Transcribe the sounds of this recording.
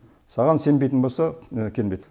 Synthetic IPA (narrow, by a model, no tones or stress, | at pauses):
sɑʁɑnse̞mbejt̪ənbo̞lˠsɑkʲʰelbejt̪